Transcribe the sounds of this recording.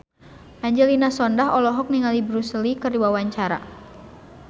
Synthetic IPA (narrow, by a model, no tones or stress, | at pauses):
ʔaɲd͡ʒɛlinasɔndaɦɔlɔɦɔk̚niŋalibɾusəlikərdiwawaɲt͡ʃaɾa̰